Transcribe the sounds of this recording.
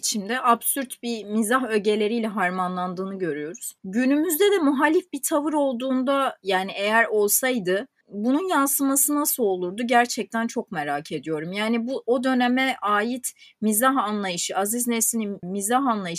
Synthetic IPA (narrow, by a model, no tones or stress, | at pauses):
t͡ʃʰimd̪ɛʔabsyɾt̪bimizaɦø̞ɟe̞lʲe̞ɾijlʲɛɦaɾmanlˠand̪ɯːnɯɟø̞ɾyjo̞ɾuz̥ɟynymyzd̪ɛd̪ɛmuɦalʲifbit̪ʰavɯɾo̞lˠd̪uːnd̪ajaːniʔe̞jæɾo̞lˠsajd̪ɯ | bununjansɯmasɯnasɯo̞lˠuɾd̪uɟæɾt͡ʃʰɛc̚t̪ʰænt͡ʃʰo̞k̚meɾaːcʰe̞d̪ijo̞ɾumjaːnibuʔo̞d̪ø̞nemɛʔaːjit̪ʰmizaɦanlˠajɯʃɯaziznesinimizaɦanlˠajɯ